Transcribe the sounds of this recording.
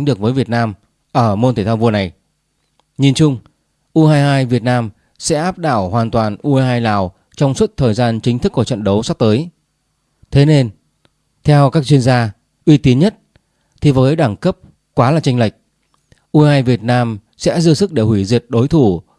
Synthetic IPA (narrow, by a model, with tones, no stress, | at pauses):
jŋɗɨ˨˩ək̚vəː˨˦jvi˨˩ət̚naː˧m | ʔəː˧˩mo˧nt̪ʰe˧˩aː˧vu˧əna˨˩j | ɲi˨˩nt͡ɕʊ˧ŋ͡m | ʔu˧haː˧jɦaː˧jvi˨˩ət̚naː˧m | sɛ̰˧˥ʔaː˦˥p̚ɗaː˧˩whwaː˨˩nt̪waː˨˩nʔu˧ɦaː˧jlaː˨˩w | t͡ɕɔ˧wŋ͡mswə˦˥t̚t̪ʰəː˨˩jzaː˧nt͡ɕï˨˦t̪ʰɨ˦˥kːu˧˩t͡ɕə̰˧˨nɗə˨˦wsa˦˥p̚t̪əː˨˦j | t̪ʰe˨˦ne˧n | t̪ʰɛ˧wkaː˦˥k̚t͡ɕwi˧ənzaː˧ | ʔwi˧t̪i˨˦nɲə˦˥t̚ | t̪ʰi˨˩vəː˨˦jɗaː˧˩ŋkə˦˥p̚ | kwaː˨˦laː˨˩t͡ɕa˧ŋla˨˩jk̟̚ | ʔu˧haː˧jvi˨˩ət̚naː˧m | sɛ̰˧˥zɨ˧əsɨ˦˥k̚ɗe˧˩hwi˧˩zi˨˩ət̚ɗo˨˦jt̪ʰu˧˩